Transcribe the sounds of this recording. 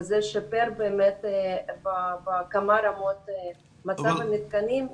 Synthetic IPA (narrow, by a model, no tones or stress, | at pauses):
zɛʃapeɾbeːmet̪babakamaɾamot̪ | mat͡savamit̪kanim